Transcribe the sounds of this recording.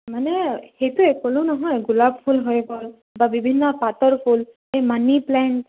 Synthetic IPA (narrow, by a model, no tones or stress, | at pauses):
manɛxejtʊɛkɔlʊ̃nɔɦɔjɡulab̚pʰulɦojɡɔl | babibʱinːɔpatɔɹpʰul | ejmaniplɛɳʈ